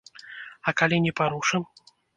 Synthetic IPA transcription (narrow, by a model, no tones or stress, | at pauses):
ɐkalʲinʲɛpaɾuʂɨm